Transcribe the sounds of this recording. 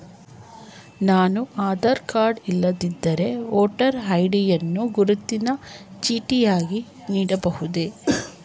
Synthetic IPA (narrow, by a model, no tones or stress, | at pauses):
naːnuʔaːd̪ɐɾkaːɾɖilːɐd̪id̪ːɐɾe̞oːʈɐɾɦɐjɖijɐnːuɡuɾut̪ːinɐt͡ʃiːʈijaːɡi | niːɽɐbɐhud̪e